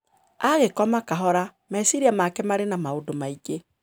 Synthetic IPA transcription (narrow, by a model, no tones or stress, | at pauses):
aɣekɔmakaɦɔɾa | maisiɾiamakɛmaɾenamaodomaiɡe